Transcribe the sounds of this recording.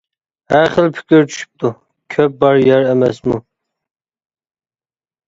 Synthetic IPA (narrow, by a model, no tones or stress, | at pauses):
hæɾχəlpʰi̥kʰʲiɾt͡ʃʰy̥ʃy̥p̚t̪ʰu | kʲʰøp̚bɑɾjjɛɾɛmɛsmu